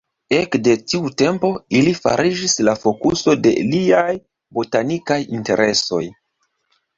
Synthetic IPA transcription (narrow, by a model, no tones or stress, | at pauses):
e̞kde̞tiute̞mpo̞ilifa̰ɾʔid͡ʒislafo̞kuso̞de̞̰liaj | bo̞tanikajinte̞̰ɾʔe̞so̞̰j